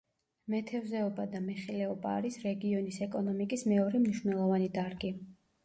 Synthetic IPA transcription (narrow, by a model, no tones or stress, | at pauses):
mɛt̪ʰɛvzɛɔbad̪amɛχilɛɔbaːɾisɾɛɡiɔnisɛkʼɔnɔmikʼismɛɔɾɛmniʃvnɛlˠɔvanid̪aɾɡi